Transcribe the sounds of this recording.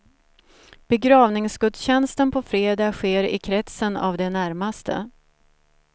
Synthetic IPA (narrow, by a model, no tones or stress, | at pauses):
b̥ɛɡɾɑːvnɪŋsɡɵd̪sɕɛnst̪ənpʰɔfɾeːd̪ɑːɧeːɾɪ̰kʰɾɛt̪səna̰vd̪ɛnæɾmast̪ʰə̰